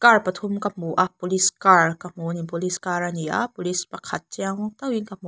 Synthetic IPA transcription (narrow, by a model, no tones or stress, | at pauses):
kaɹpɐt̪ʰomkamuʔapuliskaɹkamunipuliskaɾania̰pulispakʰat̚t͡ʃiaŋt̪awiŋkamu